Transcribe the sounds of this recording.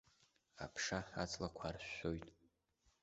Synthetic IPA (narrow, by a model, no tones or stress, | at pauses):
a̰pʰʂaat͡sʼlakʷʰarɕʷojtʼ